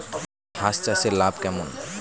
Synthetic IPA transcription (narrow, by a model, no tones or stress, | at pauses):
ɦast͡ɕaselabkɛmon